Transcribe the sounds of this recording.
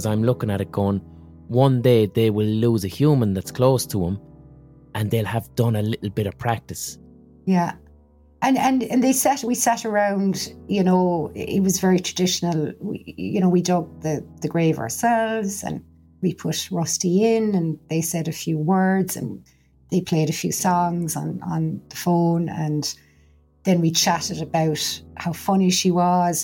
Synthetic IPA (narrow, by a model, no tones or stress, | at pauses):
zãɪ̃mlʊkɪ̃ŋəɾɪt̚ɡ̥ɔ̃n | wʌ̃ndeɪðeɪwɪlːuːzəhjuːmə̃nðətskʰl̥oːstʰəə̃m | ʔə̃nðeɪlˠəvdʌ̃nəlɪʔl̩ˠbɪɾəv̥pʰɹ̥ak̚tɪs | jæ | ʔə̃nə̃nə̃nðeɪsɛɾwisaɾə˞ãʊ̃ndjɨnoʊʔɪ̰t̚wɒzvɛɹitʰɹ̥ədɪʃənəlˠwḭjə̰ñoʊwidʌɡ̚ðəðəɡɹeɪvə̰əsɛlvz̥ə̰̃n | wipʰʊtɹʌstiɪ̃nə̃nðeɪsɛɾəfjʉːwɜ˞dz̥ə̰̃n | ðeɪpʰl̥eɪɾəfjʉ̰ːsɔ̃ŋzn̩ə̰̃nðəfõʊ̃nə̰̃n | ðɨ̃nwit͡ʃʰaɾɪɾəbaʊthaʊfʌniʃiwɒz̥